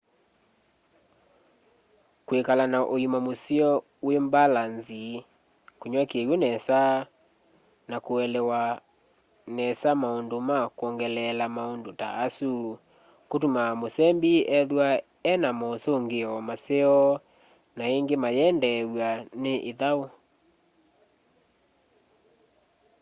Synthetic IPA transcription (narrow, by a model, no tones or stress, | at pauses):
kwekalanaʔojimamoseɔ | wembalanzi | koɲwakewenɛsa | nakoɛlɛwa | nɛsamaondomakoɔŋɡɛlɛlamaondota̰ːsu | kotumamosɛmbiɛðwa | ɛnamɔsoŋɡeɔmaseɔ | naeŋɡemajɛndɛwaneʔeðao